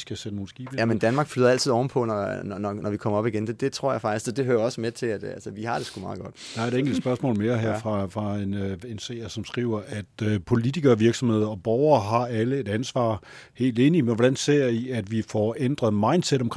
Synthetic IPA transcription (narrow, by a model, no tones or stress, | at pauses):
sɡ̥æsed̥əno̝ːn̩sɡ̥iːb̥jæmend̥ænmɑ̈ːɡ̥flyðˠɐæl̰t͡sʰiðˠɒʊn̩pʰɒ̽nɒnɒnɒnʔɒʋikʰɒ̽m̰ɐɒ̽b̥iɡ̥end̥ed̥e̝t͡sʰʁo̝ɐ̰jɑ̈fɑ̈ɡ̥issɒd̥e̝ɦøːɐɒ̽səmet͡sʰe̝æd̥ælsəʋihɑ̈d̥e̝sɡ̥umɑ̈ːðˠɡ̥ɒ̽d̥d̥ɑ̈æɐe̝ɾ̥eŋ̰ɡəl̩d̥sb̥ɶɐsmɔ̰̽ːlme̝ːɐɦæɐ̰fʁɑ̈fʁɑ̈e̝ne̝nsḛːɐsɒ̽msɡ̥ʁiːʊɐʔæd̥pʰo̝lit͡sʰiɡ̥ɐʋiɐɡ̥sɒ̽mhe̝ðˠɒ̽b̥ɒʊɐːɦɑ̈æləe̝d̥ænsʋɑ̰̈ː | he̝̰ːld̥e̝ːnimenʋɒd̥ænse̝ɐ̰jiæd̥ʋifɒend̥ʁɐð̩ˠmɑ̈ɪ̰nd̥seɾ̥ɒmkʰ